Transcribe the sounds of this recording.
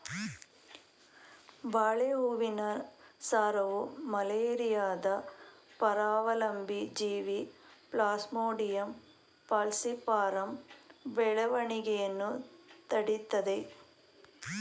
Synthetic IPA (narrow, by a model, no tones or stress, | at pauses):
baːɭeɦuʋɪnɐsaːɾɐʋɯmɐleːɾɪjaːd̪ɐpɐɾaːʋɐlɐmbid͡ʒiːʋipɭaːsmoːɽɪjɐm | pɐlsipːaːɾɐmʋɛɭɐʋɐɳɪɣɐjɛnːɯt̪ɐɽɪt̪ːɐðɐɪ